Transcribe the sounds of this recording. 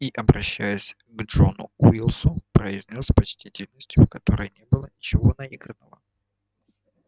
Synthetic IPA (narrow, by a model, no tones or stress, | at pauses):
iʔɐbɾɐɕːæjɪsʲ | ɡʐo̞nʊ̰w̰ilˠsʊpɾəizʲnʲosʲpɐt͡ɕtʲitʲɪlʲnəsʲtʲjʊfkɐt̪o̞ɾəjnʲebɨlˠənʲɪt͡ɕɪvo̞nɐiɡɾənəvə